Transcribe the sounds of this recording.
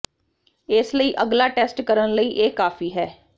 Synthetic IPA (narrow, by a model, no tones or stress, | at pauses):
ɪsləiːʔəɡlaːʈɛːsʈkəɾənləiːʔeːkaːfiːɦɛː